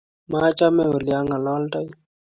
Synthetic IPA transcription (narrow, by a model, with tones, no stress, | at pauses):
ma˦t͡ʃa˦mɛ˦o˨lja˦ŋa˨lɔ˦lta˦j